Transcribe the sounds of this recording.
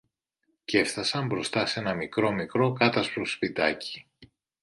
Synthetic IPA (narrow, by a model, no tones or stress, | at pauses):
ce̞fθɐsɐmbɾo̞st̪ɐse̞nɐmikɾo̞mikɾo̞kɐt̪ɐspɾospid̪ɐci̥